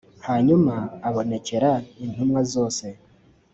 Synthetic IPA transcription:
haɲumaːβo̞ne̞ce̞ɾain̥umŋazo̞ːse̞

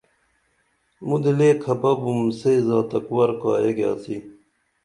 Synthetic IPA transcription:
mud̪ileːkʰɐbɐbumsezaːt̪ɐkwɐɾkaːjeɡja̰ːsi

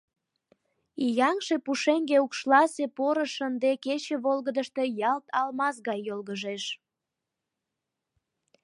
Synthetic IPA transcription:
ijɑŋʃepuʃeŋɡeukʃlɑsepoɾəʃənd̪eket͡ɕeβolɣəd̪əʃt̪e̽jɑlt̪ɑlmɑs̬ɣɑjːolɣəʒeʃ

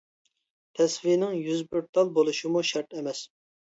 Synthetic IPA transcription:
t̪ʰɛsvinɪŋjyzbyɾt̪ʰɑlˠbolˠuʃimuʃɛɾt̪ʰɛmɛs

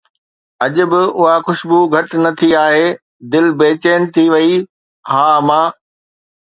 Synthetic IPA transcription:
ɐʄʊ̆bɪʊɦaxʊʃbuɡʱɐʈnɐt̪ʰiaːɦeː | d̪ɪlbeːt͡ɕeːnɪ̆t̪ʰiʋɐi | haːmãː

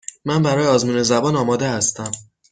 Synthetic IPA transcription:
mænbæɾɒːjeɒːzmuːne̞zæbɒːnɒːmɒːd̪ehæst̪æm

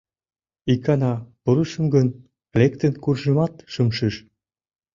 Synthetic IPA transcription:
ikːɑnɑpuɾuʃə̆mɡən | lekt̪ənkurʒə̆mɑt̪ʃəmʃiʃ

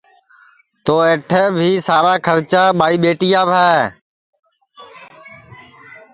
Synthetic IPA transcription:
t̪oːeːʈʰəːbʱiːsaːɾaːkʰəɾt͡ʃaːɓaːiːɓeːʈijaːbʱɛː

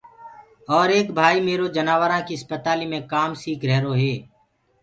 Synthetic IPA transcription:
ɔːɾeːkbʱaːiːmeːɾoːd͡ʒənaːʋəɾãːkiəspət̪aːliːmẽːkaːmsiːkɾɛɦːɾoːɦeː

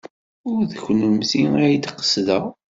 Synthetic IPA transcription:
ʊɾðəçnəmziæjd̪qːə̥sðæʁ

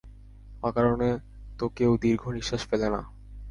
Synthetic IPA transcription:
akaɾone | t̪okewd̪iɾɡʱoniʃːaʃfelena̰

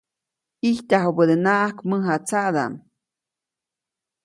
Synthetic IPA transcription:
iht̪ʲaɦobəd̪enaʔahkmɨɦat͡saʔd̪a̰m

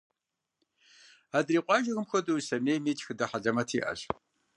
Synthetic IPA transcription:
aːdriːqʷʼɑːʒɐɣɨmxʷɔduwsɐmeːmeːt͡ʃʼxɨdɐħaɮɐmɐtʰiːʔɐ̰ɕ

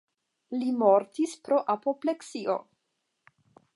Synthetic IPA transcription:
limo̞ɾtispɾo̞ʔapo̞ple̞ksio̞̰

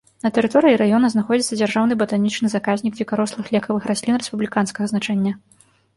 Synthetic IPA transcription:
nɐt̪ɛɾɨt̪ɔɾɨiɾajɔnɐznaxɔd͡zʲit̪sɐd͡zʲarʐawnɨbɐt̪anʲit͡ʂnɨzakazʲnʲiɡʲvʲikaɾɔslˠɨxlʲɛkɐvɨxɾʔasʲlʲinrɛspublʲikanskɐɣɐznat͡ʂɛnʲːɐ

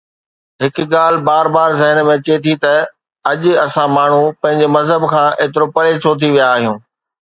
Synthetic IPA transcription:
ɦɪkɠaːl̤baːɾbaːɾzɐɦənmẽt͡ɕet̪ʰit̪ɐ | ɐʄɐsãmaːɳ̤ũpɐ̃ɦɪ̃ɲ̆d͡ʑemɐzɦəbkʰãːʔeːt̪ɪɾopɐɾet͡ɕʰot̪ʰiʋijaːɦijũː

